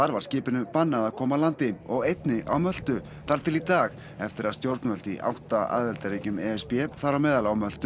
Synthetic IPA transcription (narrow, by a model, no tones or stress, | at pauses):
θaɾvaɾscɪːpɪnʏpanːaðaðkʰɔːmaðlant̪ɪɔɣejt̪nɪʔa̰wmœl̥t̪ʏ | θaɾ̥t̪ʰɪlit̪aːɣ | ɛft̪ɪɾaðst̪jowɾt̪nmœl̥t̪iʔa̰wht̪aa̰ðɛlt̪aɾiːcʏmɛɛspiɛθaɾamɛːðalawmœl̥t̪ʏ